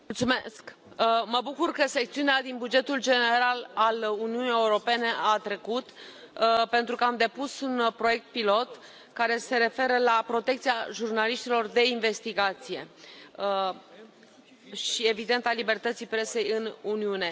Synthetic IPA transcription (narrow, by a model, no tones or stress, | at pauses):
ult̪sumesk | məbukurkəse̞k̚t̪siunead̪inbud͡ʒe̞t̪uld͡ʒe̞ne̞ɾalaluniunie̞uɾo̞pe̞ne̞ʔat̪ɾe̞kut̪ | pe̞nt̪ɾukəamd̪e̞pusunpɾo̞je̞k̚t̪̚pilo̞t̪ | kaɾe̞se̞ɾe̞fe̞ɾəlapɾo̞t̪e̞k̚t̪siaʒurnaliʃt̪ilo̞rd̪e̞inve̞st̪iɡat̪sije̞ə | ʃie̞vid̪e̞nt̪alibe̞rt̪ət̪sijpɾe̞se̞jɨnuniune̞